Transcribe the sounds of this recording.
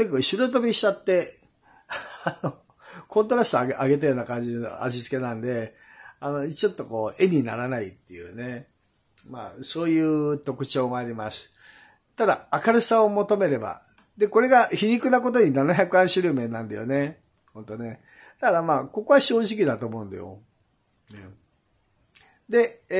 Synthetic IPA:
kekːkɕiɾot̪̬obʲiɕi̥t͡ɕat̪ːe̞ | ano | kõ̞nt̪̬o̞ɾasɨ̥t̪oaɡe̞t̪̬ajoːnakãɲ̟d͡ʑino̰a̰ʑit͡sɨ̥ke̞nãnd̪e̞ | ano̞t͡ɕo̞t̪ːo̞ko̞ːʔe̞ɲ̟ina̰ɾanait̪ːe̞̰jɯ̰ːne | ma̰ːso̞ːjɯ̟ːt̪o̞kɯ̟t͡ɕo̞ːɡaːɾʲimasɨ̥ | t̪ad̪aːkaɾɯsaomo̞t̪o̞me̞ɾe̞ba̰ | d̪e̞ko̞ɾe̞ɡaçiɲʲikɯ̟nako̞t̪̬o̞ɲ̟inanaçʲakɯãɰ̃ɕiɾɯ̟mẽ̞nːãnd̪ajo̰ne̞ | hõ̞nt̪o̞ne̞ | t̪akd̪amaːko̞ko̞βaɕo̞ːʑik̬ʲid̪at̪o̞ːmo̞ɯ̟̃nd̪a̰jo̰ | ne | d̪e̞

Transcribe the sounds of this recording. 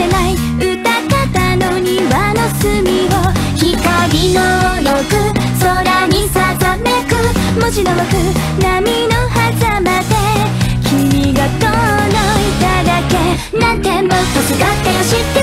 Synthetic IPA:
enai | ɯ̟t̪akat̪anoɲ̟iβanosɨmʲiβo̞ | çik̪oɾʲinojokɯ̟ | soɾaɲisasamekɯ̟ | moʑinobakɯ̟ | namʲinohazamad̪e̞kʲʰimʲiɡat̪onoit̪ad̪ake̞ | nãnt̪emmot̪osiɡat̪ːeɕit̪ːe

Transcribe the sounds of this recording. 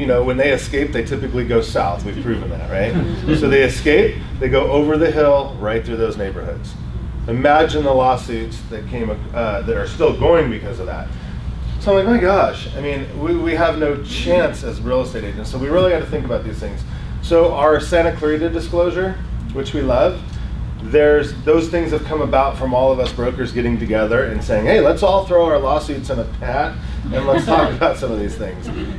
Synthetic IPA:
jɨnoʊwə̃nðeɪɨskeɪp̚ðeɪtʰɪpɨkliɡoʊsa̰ʊθwiv̥pʰɹ̥ʉvɨ̃n̩ðæ̰t̚ɹaɪt̚soʊðeɪɨskeɪp̚ | ðeɪɡoʊʔoʊvə˞ðɨɦɪlˠɹaɪt̪̚θɹʉðoʊzneɪbə̰˞hʊ̰dz̥ | ɨmæd͡ʒɨ̃nðəlɔsʉtsðɨt̚kʰẽɪ̃mɨ | ʌðɨɾə˞stɪlˠɡoʊɪ̃ŋbɨkʰʌzʌvðæ̰t̚ | soʊãmlaɪk̚maɪɡɑʃa̰ɪmĩn | wiwiəvnoʊt͡ʃʰæ̃nsɨzɹɪlˠəsteɪɾeɪd͡ʒɨ̃n̩tsoʊwiɹɪlˠiæd̚tʰɨθɪ̃ŋkəbaʊt̪̚ðiz̥θɪ̃ŋz̥ | soʊʔə˞sænɨkʰl̥ɪɹɾɨdɨskloʊʒə˞ | wɨt͡ʃwilʌv | ðə˞zðoʊz̥θɪ̃ŋz̥ɨv̥kʰʌ̃məbaʊtfɹʌ̃mɔlˠʌvʌsb̥ɹoʊkə˞zɡɛɾɪ̃ŋtɨɡɛðə˞ɨ̃nseɪɪ̃ŋheɪlətsɔlˠθɹoʊəə˞lɔsʉdsʌ̃nɨpʰæɾ̚ | ɨ̃nlətstʰɔkkəbaʊtsʌ̃mʌvðiz̥θɪ̰̃ŋz̥

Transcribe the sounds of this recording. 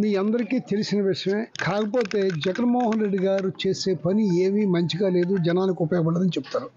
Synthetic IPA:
miːɐnd̪ɐɾikiːt̪elisinɐʋiʂɐmeːkaːkɐpo̞ːt̪e̞ːd͡ʒɐɡɐnmoːɦɐnɾe̞ɖːiɡaːɾut͡ʃe̞ːse̞ːpɐnieːʋimɐɲt͡ʃiɡaːle̞ːd̪ud͡ʒɐnaːlnikiupːjɐkɐbɐɽɐd̪ɐnit͡ʃebu̥t̪aːɾu

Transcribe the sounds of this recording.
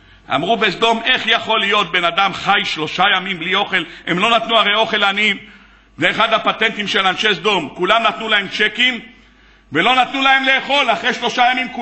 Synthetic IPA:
a̰mʁubesd̪o̞me̞χjaχo̞lijo̞t̪̚be̞nad̪amχajʃlo̞ʃajamimblio̞χe̞lemlo̞nat̪nuaʁe̞jo̞χe̞lanim | zeːχad̪hapat̪e̞nt̪imʃelanʃe̞zd̪o̞mkulamnat̪nulahemt͡ʃekim | ve̞lo̞nat̪nulae̞mle̞ːχo̞laχʁejʃlo̞ʃajamimku

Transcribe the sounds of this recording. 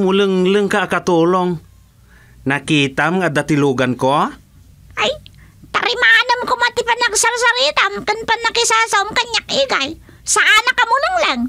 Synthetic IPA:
mʊlɨŋlɨŋkaʔːkat̪uːloŋ | nakiːt̪amŋad̪at̪ɪluːɡanko | ʔaj | t̪aɾɪmaanamkomat̪ɪpanɐksaɾsaɾit̪amkanpanːakɪsaːsaʊmkaɲːak̚ʔɪɡaj | saʔanɐkamʊlɨŋlaŋ

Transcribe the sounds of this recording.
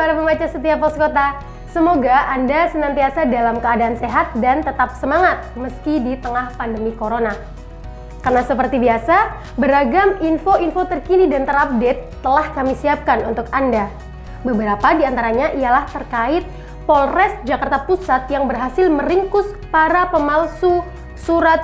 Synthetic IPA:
paɾaməmat͡ʃasət̪̬iapɔskot̪a | səmoɡaandasənant̪iasadalamkəadaːnseɦat̪̚dant̪ət̪ap̚səmaŋat̪̚məskidit̪əŋahpandəmikoɾona | karnasəpərt̪ibiasa | bəɾaɡaminfoinfot̪ərkinidant̪əɾap̚det̪ːəlahkamisiap̚kanunt̪ʊkanda | bəbəɾapadiant̪aɾaɲaʔialaht̪ərkaɪt̪̚ | polrɛsd͡ʒakart̪apusat̪̚jaŋbərɦasɪlməɾiŋkʊspaɾapəmalsu | suɾat̪̚

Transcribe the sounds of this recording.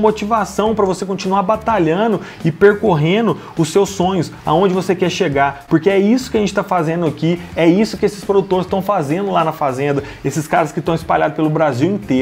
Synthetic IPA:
mot͡ʃivasɐ̃w̃pɾɐvosekõt͡ʃinuaɾbat̪aʎɐ̃d̪ʊ | ɪpeɾkoɦẽd̪ʊ | ʊsːewsːõɲʊsa̰õnd͡ʒɪvosekɛɾʃeɡaɾpoɾkeɛisʊkɪɐʒẽnt͡ʃɪ̥t̪afazẽnd̪ʊakiɛisʊkɪesɪspɾod̪ut̪oɾɪst̪ɐ̃w̃fazẽnd̪ʊlanɐfazẽnd̪ɐ | esɪskaɾɐskɪt̪ɐ̃w̃ɪspaʎad̪ʊspelʊbɾaziwĩnt̪e

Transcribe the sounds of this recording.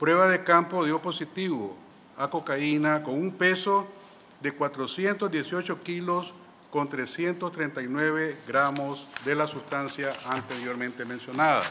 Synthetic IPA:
pɾwe̞βaðekampoðjoposit̪iβo̰ | akokainakoŋumpeso | ðekwat̪ɾosje̞nt̪ozd̪jesjot͡ʃokilos | kont̪ɾesje̞nt̪ost̪ɾent̪ajnweβeɡɾamozd̪elasust̪ansjaant̪eɾjoɾmẽnt̪emensjonaða̰

